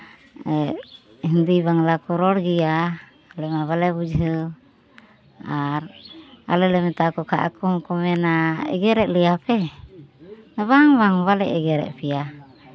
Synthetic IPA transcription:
ɛ | ɦind̪iβaŋlakɔɾɔɽɡija | lɛmaβalɛbud͡ʒɦɯ | aɾa̰lɛlɛmɛt̪akɔkʰa̰ʔa̰kɔmkɔmɛnaɛ̰ɡɛɾɛʔ̚lɛjapɛ | nabaŋbaŋbalɛ̰ʔɛɡɛɾɛ̰ʔpʰija

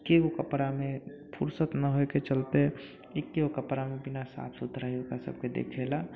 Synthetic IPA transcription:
keokəpɽamẽ | pʰṵɾsət̪nəɦoeket͡ʃəlt̪e | ekːeokəpɾamẽbɪnasa̰ːt̪ʰʊt̪ɾaɦiokasə̰b̚ked̪ḛːkʰela

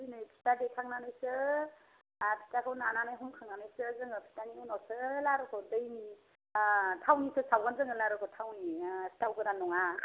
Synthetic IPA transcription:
dɯjnɯjpʰi̥tadekʰaŋnanɯjsɯ | pʰi̥takʰɯwnananɯjɦunkʰaŋnanɯjsɯzɯŋɯpʰi̥taniɯnɔsɯlaɾɯkʰɔdɯjni | tʰawnisɯsawɡanzɯŋɯlaɾɯkʰɯtʰawnistawkɯɾanɔŋa

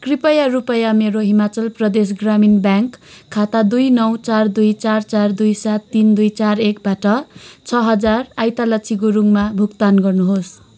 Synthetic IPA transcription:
kripʌjarupʌjameɾoɦimat͡sʌlprʌd̪es̬ɡraminbjaŋkʰːat̪ad̪ujnʌwt͡sard̪ujt͡sart͡sard̪ujsat̪ːind̪ujt͡sarek̚baʈʌt͡sʰʌɦʌd͡zarajt̪alʌt͡sʰiɡoɾuŋmabʱukt̪anɡʌrnuɦos

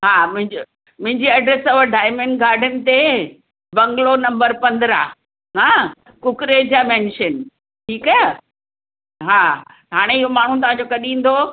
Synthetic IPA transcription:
ɦaːmʊ̃ɦɪ̃ɲd͡ʑo | mʊ̃ɦɪ̃ɲd͡ʑiːɐɖɾesɐʋəɖaːɪjmə̃ɳɡaːɾɖənɪ̆t̪e | bɐ̃ŋɡlonɐ̃mbəɾpɐ̃nd̪ɾaː | ɦãː | kʊkɾeːd͡ʑamɛ̃ːnʃən | ʈʰiːka | ɦaː | ɦaːɽ̃eɪɦomaːɳ̤ũt̪ɐʋ̤ãɲd͡ʑokɐɗĩːn̆d̪o

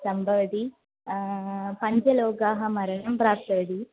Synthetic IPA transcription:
sɐmbʱɐʋɐd̪i | pɐɲd͡ʒɐloːɡaːɦɐmɐɾɐɳɐmpɾaːt̪ɐʋɐd̪i

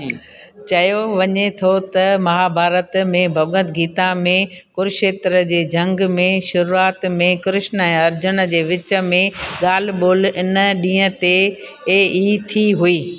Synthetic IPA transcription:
t͡ɕɐjoʋɐɲet̪ʰot̪ɐmɐɦabʱaːɾət̪mẽbʱɐɡə̃nt̪ɡiːt̪amẽkʊɾʃeːt̪ɾəd͡ʑeːd͡ʑɐ̃ŋɡmẽʃʊɾuaːt̪mẽkɾɪʃnəɛ̃ːɐɾd͡ʑʊnəd͡ʑeːʋɪt͡ɕə̆mẽɠaːl̤ɓoːlɪnɗĩːə̃t̪e | eːiːt̪ʰiɦuiː

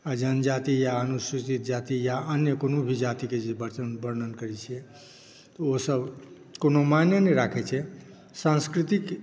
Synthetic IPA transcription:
ad͡ʒənd͡ʒat̪ijaənusit͡ʃit̪̚d͡ʒat̪ijaənjəkonobʱid͡ʒat̪iked͡ʒebəɾt͡ʃənbəɾnənkəɾɛt͡ʃʰiɛ | t̪ɔosəb | konomanjənəɾakʰɛt͡ʃʰɛ | sãnskɾit̪ik

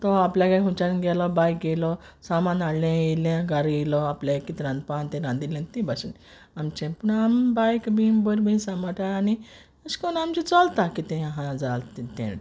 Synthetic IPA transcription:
t̪ɔapljakajɦũt͡ɕaɾnɡɛlɔbajk̚ɡelɔ | samãnaɽlẽjelẽɡaɾɡelɔapljaekit̪ɾãnd̪̚pant̪ẽɾãnd̪ilẽnt̪ẽbaɕin | amt͡ɕẽpuɳambajkbimbəɾbinsamaʈaani | əɕkɔnamt͡ɕit͡sɔlt̪akit̪ɛ̃aɦãd͡zalt̪it̪ḛ̃

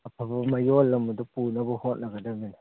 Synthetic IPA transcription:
apabamajolamadapunabuhonaɡadamina

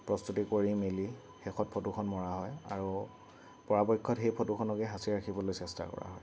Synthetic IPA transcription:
pɹɔstutikoɹimeli | xexɔt̚pʰɔtukʰɔnmɔɹaɦɔja̰ɹu | pɔɹabɔjkʰːɔtxejpʰɔtukʰɔnɔkɛɦasiɹakʰibɔlojsɛsta̰kɔ̰ɹa̰ɦɔj

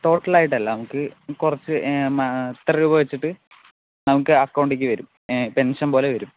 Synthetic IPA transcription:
t̪o̞ːʈːɐlaːjiʈːɐlːɐnɐmukːɨkurɐt͡ɕːɨmɐt̪riubɐʋɐt͡ɕːiʈːɨ | nɐmukːɨɐkːɐwɳɖikʲːɨʋɐɾum | pe̞nʂɐnpo̞ːleʋɐɾum

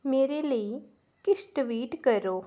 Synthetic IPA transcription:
meːɾeːləi | kɪʃʈʋiːʈkəɾoː

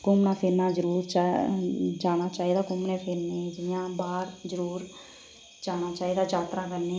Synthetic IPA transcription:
kʊmnaːpʰɪɾnaːd͡ʒəɾuːɾt͡ʃa | d͡ʒaːɽ̃aːt͡ʃaːiːd̪aːkʊmneːpʰɪɾnẽːd͡ʒɪɪjãːbaːɾd͡ʒəɾuːɾ | d͡ʒaːñaːt͡ʃaːiːd̪aːd͡ʒaːt̪ɾaːkəɾneː

